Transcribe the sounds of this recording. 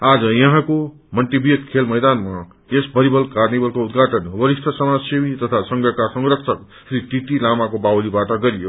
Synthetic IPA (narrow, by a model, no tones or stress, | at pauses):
ad͡zʌjʌɦãko | mʌnʈibijt̪kʰelmʌjd̪anma | esbʱʌɾibʌlkarnibʌlkoud̪ɡʱaʈʌnwʌɾisʈʰʌsʌmad͡zsemit̪ʌt̪ʰasʌŋɡʱjʌkasʌŋrʌksʰʌk | sɾiʈit̪ilamakobawlibaʈʌɡʌɾijo